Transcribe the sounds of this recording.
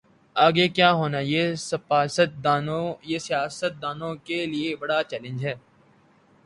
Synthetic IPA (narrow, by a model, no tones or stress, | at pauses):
aːɡekjaːɦoːnajesɐpaːsət̪̚d̪ːnõjeːsijaːsət̪̚d̪aːnõkeliebɐɽaːt͡ʃɛːlɪ̃nd͡ʒɦɛː